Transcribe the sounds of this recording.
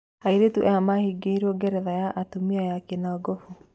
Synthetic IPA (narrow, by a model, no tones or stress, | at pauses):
aiɾetuʔɛamahiɡeiɾɔɡɛɾɛðajaʔatumiajakenaɡɔfu